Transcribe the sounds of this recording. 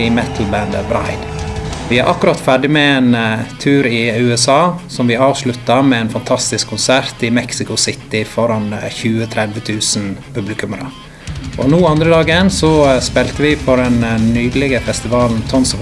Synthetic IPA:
ɪmɛt̪ʰl̩bænd̪əbɾɑ̰ɪd̪̥ʋɪæɾʔɑkːʉɾɑt̪fæɖɪmɛeːnt̪ʰʉːɾɪʉːɛsɑːsɔmʋɪɑːʋslʉt̪ːɑmɛɛːnfɑnt̪ʰɑst̪ɪskʰːʊnsæɾt̪ɪmɛksɪkʊsɪt̪ɪfɔɾɑnçʉːət̪ʰɾɛd̪ʋət̪ʰʉːsn̩pʰʉblɪkʉməɾə̰ | ʔɔnuːɑnd̪ɾəd̪ɑːɡənsɔspɛːlt̪əʋɪpʰɔɖɛnnyːd̪əlɪɡəfɛst̪ɪʋɑːln̩t̪ʰɔnsɔʋ

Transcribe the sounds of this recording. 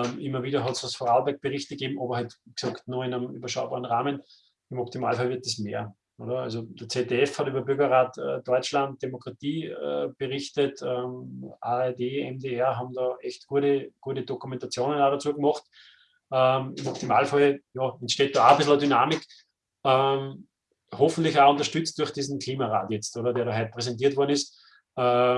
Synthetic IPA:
mʔɪmːɐviːdɐɦɔtsasfʁaʊbɛɐk̚b̥əʁɪçtəɡ̥eːbm̩ɑbɐhœtksɔktnuɪnəmy̰bɐʃaʊbɑːʁənʁaːmən | ɪmɔp̚tima̰ːlfalvɪɐt̚d̥esmeːɐ | ʔo̰ːdɐalsod̥ɐt͡seteɛfhɑtyːbɐbʏɐɡɐʁaːtə̰d̥ɔʏt͡ʃlant̚d̥emokʁ̥atiːə̰b̥əʁɪçtətːmaɛɐdeːɛmdeɛɐɦɑbm̩dɑːɛçtɡ̥uɐɾəɡ̥uːɐtədokumɛ̃ntat͡sjoːnənaːɾat͡suːɐɡmɔχt | ʔəmmɔptima̰ːlfɔljɑːɛntʃteːt̚d̥oabɪsl̩ɐdynaːmɪk | əm | hofn̩tlɪçaʊ̃ntɐʃtʏt͡st̚d̥ʊɐxd̥iːzn̩kʰliːmaʁa̰ːtjɛt͡stoːɾɐdɛɐɾɔːɦɛt̚pʁɛsɛntiːɐtvɔɐn̩ɪstː

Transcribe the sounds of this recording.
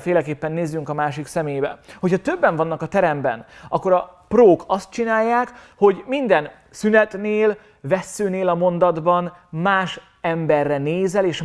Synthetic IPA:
feːlɛkeːpːɛnːeːzːyŋkɒmaːʃiksɛmeːjbɛ̰ho̞chɒt̪øbːɛɱvɒnːɒkɒt̪ɛɾɛmbɛ̰nʔɒ̰kːo̞ɾɒproːkʰɒst̪̚t͡ʃinaːjːaːkho̞ɟmind̪ɛn | synɛt̪neːl | vɛsːøːneːlɒmo̞nd̪ɒd̪bɒn | maːʃ | ɛmbɛrːɛneːzɛleːʃ

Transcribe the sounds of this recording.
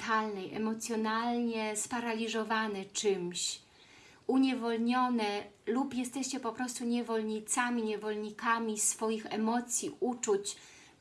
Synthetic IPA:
t̪alnɛjɛ̰mɔt̪sʲjɔnalɲɛspaɾalʲizɔvanɛt͡ʂɘmɕ | uɲɛvɔlɲɔnɛlupjɛst̪ɛɕt͡ɕɛpɔpɾɔst̪uɲɛvɔlɲit̪samʲiɲɛvɔlɲikamʲisfɔjixɛmɔt̪sʲjiʔut͡ʂut͡ɕ

